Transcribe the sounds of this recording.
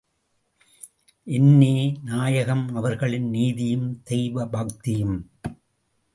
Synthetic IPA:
ʔɛnːeːnaːjɐɣɐmɐʋɐɾɣɐɭɪnniːðɪjɯmd̪ɛjʋɐbaːkt̪ɪjɯm

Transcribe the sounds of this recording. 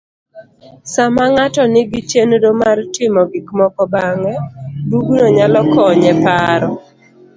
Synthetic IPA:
samaŋatɔnɪɡit͡ʃendomartɪmɔɡikmɔkɔbaŋɛduɡnoɲalɔkɔɲɛpaɾɔ

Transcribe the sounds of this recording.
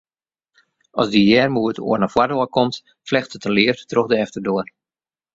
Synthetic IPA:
ɔsdijɛrmuəto̰ərnafwadoəkɔmt | flɛxtətəlɪəfttroxdəɛftərdoər

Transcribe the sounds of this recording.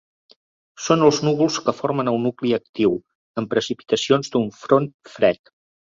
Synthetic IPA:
sonəlˠznuβulˠskəfoɾmənəlˠnukliək̚t̪iw | əmpɾəsipi̥t̪əsionzd̪uɱfɾonfɾɛt̪

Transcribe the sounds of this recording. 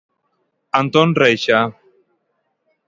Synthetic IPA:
ant̪ɔnrejʃa

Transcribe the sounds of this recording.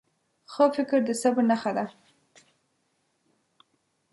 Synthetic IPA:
xəfɪkɪɾd̪əsabnaxad̪a

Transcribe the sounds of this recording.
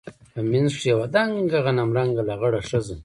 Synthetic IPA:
aminzʂujawad̪aŋɡaɣanamɾaŋɡalaɣaɽaʂazən

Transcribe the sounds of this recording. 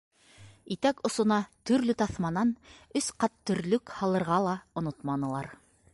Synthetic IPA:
it̪ækŏsŏnɑt̪ɵ̆ɾlɵt̪ɑθmɑnɑnɵsqɑt̪ːɵ̆ɾlɵkhɑlˠɤ̆ɾʁɑlˠɑŏnot̪mɑnɤ̆lˠɑɾ

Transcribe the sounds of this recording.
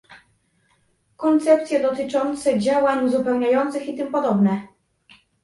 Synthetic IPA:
kɔnt̪sɛpt̪sʲjɛd̪ɔt̪ɘt͡ʂɔnt̪sɛd͡ʑawaɲuzupɛwɲajɔnt̪sɘxit̪ɘmpɔd̪ɔbnɛ

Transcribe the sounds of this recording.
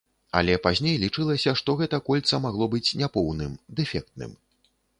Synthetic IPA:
ɐ̰lʲɛpazʲnʲejlʲit͡ʂɨlˠɐsʲɐʂt̪ɔɣɛt̪ɐkɔlʲt̪sɐmaɣlˠɔbɨt͡sʲnʲɛpɔwnɨmd̪ɛfʲɛk̚t̪̚nɨ̰m

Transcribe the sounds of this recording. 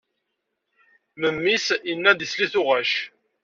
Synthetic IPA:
məmːisinːæd̪isliθʊʁæʃ

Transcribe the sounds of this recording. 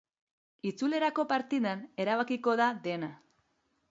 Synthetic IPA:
it͡sule̞ɾako̞paɾt̪iðane̞ɾaβakiko̞ðaðe̞na

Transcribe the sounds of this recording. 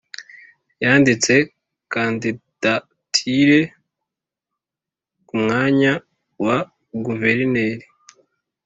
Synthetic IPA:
jaːndit͡se̞ | kandid̥a | tʰiɾe̞ | kumŋaːɲa | wa | ɡuve̞ɾine̞ːɾi

